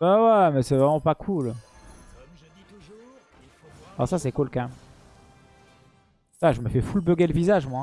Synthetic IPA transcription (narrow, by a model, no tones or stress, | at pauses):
bawɛmɛsɛvʁɛmɑ̃pakʰul | asasɛkɔlkã | saʒəməfɛfulbəɡʲɛləvizaʒmwa